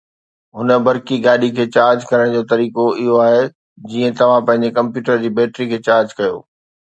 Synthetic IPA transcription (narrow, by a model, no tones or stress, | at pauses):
ɦʊnə̆bɐɾkiɡaːɗikʰeːt͡ɕaːɾd͡ʑkɐɾəɽ̃d͡ʑoːt̪ɐɾiːkoɪɦoaːɦe | d͡ʑiːə̃t̪ɐʋ̤ãpɐ̃ɦɪ̃ɲ̆d͡ʑekɐ̃mpjuːʈəɾd͡ʑiːbɛːʈɾikʰeːt͡ɕaːɾd͡ʑkɐjo̰ː